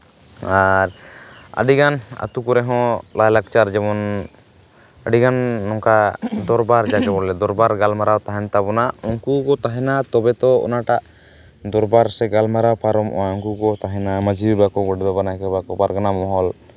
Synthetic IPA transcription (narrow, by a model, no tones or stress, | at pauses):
aɾa̰ɖiɡana̰t̪ukuɾɛɦɔ̃lajlak̚t͡ʃaɾd͡ʒɛmɔn | əɖiɡanːɔŋkad̪ɔɾbaɾd͡ʒad͡ʒɔbɔlɛd̪ɔɾbaɾɡalmaɾawt̪aɦɛnt̪abɔnaɔŋkuɡɔt̪aɦɛnat̪ɔbɛt̪ɔɔ̰naʈaʔ | d̪ɔɾbaɾsɛɡalmaɾawpaɾɔmʔɔ̰aɔŋkuɡɔt̪aɦɛnamad͡ʒibɛbakɔɡɔɖɛd̪ɔbanakɛbakɔbaɾɡanamɔɦɔl